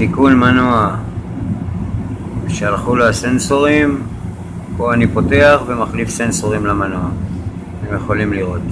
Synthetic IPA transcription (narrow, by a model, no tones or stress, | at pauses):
tikunmanoa | ʃealχuloasenso̞ʁim | po̞anipo̞te̞aχve̞maχlifsenso̞ʁimlamanoa | emjeχo̞limliʁo̞t̪